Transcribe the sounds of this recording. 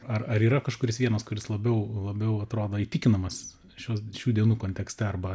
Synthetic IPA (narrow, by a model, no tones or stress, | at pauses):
ɐrɐɾiːɾɐkɐʃkʊɾʲɪsʋʲiɛnɐskʊɾʲɪslˠɐbʲɛʊlˠɐbʲɛʊɐt̪ɾoːd̪oːiːt̪ʲɪkʲɪnɐmɐs | ʃʲuɔʃʲuːd̪ʲiɛnuːkoːnʲt̪ʲɛksʲt̪ʲɛɐrbɐ